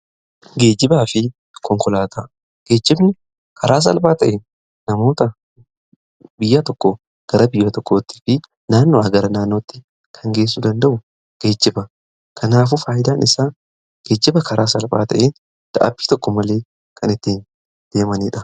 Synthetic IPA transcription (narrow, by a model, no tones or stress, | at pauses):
ɡe̞ːd͡ʒːɪbaːfɪ | kʰɔŋkɔlaːt̪ʰaː | ɡ̥e̞ːd͡ʒːɪbnɪ | kʰɐɾaːs̬ɐ̰lbaːt̪ɐʔeːnː | ɐmo̞ːt̪ɐ | bɪjːaːt̪ɔkːo | ɡ̥ɐɾɐbɪjːat̪ɔkːoːt̪ːi̥ːfɪ | naːnːoːɐɡɐɾɐnaːnːo̞ːt̪ːɪ̥ | kʰɐŋɡe̞ːsːud̪ɐnd̪ɐʔʊ | ɡ̥e̞ːd͡ʒːɪbɐ | kʰɐnaːf̬ufaːjɪd̪aːnʔɪsaː | ɡ̥e̞ːd͡ʒːɪbɐkʰɐɾaːsɐlba̰ːt̪ɐ̰ʔeːn | d̪̥ɐ̰ʔɐ̰bi̥ːt̪ɔkːɔmɐle̞ː | kʰɐnɪt̪ːiːn | d̪̥e̞ːmɐniːᶑɐ